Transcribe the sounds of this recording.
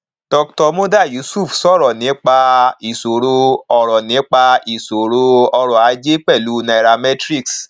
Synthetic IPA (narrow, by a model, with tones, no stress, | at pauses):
tɔ˧tɔ˧mõ˦da˦˨ju˨˦su˦˨fsɔ˦˨ɾɔ˨nĩ˨˦k͡pa˧i˨so˨ɾo˧ɔ˨ɾɔ˨nĩ˨˦k͡pa˧i˨so˨ɾo˧ɔ˧ɾɔ˨a˨˦d͡ʒe˦k͡pɛ˦˨lu˨˦na˧˨ɾa˧mɛ˦tɾi˦˨ks